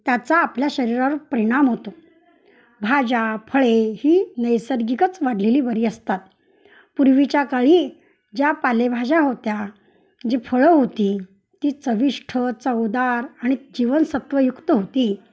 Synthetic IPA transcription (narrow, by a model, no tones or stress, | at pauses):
t̪jat͡saːpljaɕəɾiɾapəɾiɽ̃amɦot̪o | bʱad͡ʑapʰəɭehiːnəjsəɾɡikət͡sʋaɽleliːbəɾiːəst̪at̪̚ | puɾʋit͡ɕjakaɭiː | d͡ʑjapalebʱad͡ʑaɦot̪ja | d͡ʑifʰəɭəɦot̪iː | t̪iːt͡səʋiʂʈʰət͡səwd̪aɾaɽ̃id͡ʑiʋənsət̪ʋəjukt̪əɦot̪iː